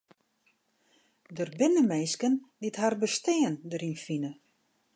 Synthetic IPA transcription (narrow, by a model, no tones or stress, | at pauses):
dərbɪnəmeːskənditharbəstɪəndəɾinfinə